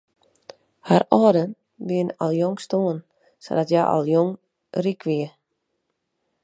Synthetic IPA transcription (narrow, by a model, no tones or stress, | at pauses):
haɾɔːdən | biənɔlˠjoŋstuən | so̰dɔtjaʔɔ̰lˠjoŋ | rikʰʋiə